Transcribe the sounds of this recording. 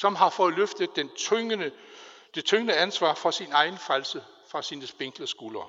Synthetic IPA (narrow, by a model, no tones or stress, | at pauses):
sɒ̽mɦɑ̈fɒ̽ːð̩ˠløfd̥əð̥ˠen | d̥e̝t͡sʰøŋənəænsʋɑ̰̈ːfɒ̽sinɑ̈ɪnfʁælsə | fʁɑ̈siːnəsb̥e̝ŋ̰ɡ̥ləsɡ̥uːlɐː